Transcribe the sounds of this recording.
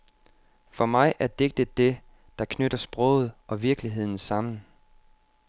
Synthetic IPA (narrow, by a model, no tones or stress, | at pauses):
fɒ̽mɑ̈ɪʔæɐd̥e̝ɡ̥̚d̥id̥e̝ | d̥ɑ̈kʰnøɾ̥ɐsb̥ʁɔʊð̞̩ˠʔɒ̽ʋiɐɡ̥liɦe̝ð̰ˠn̩sɑ̈m̰n̩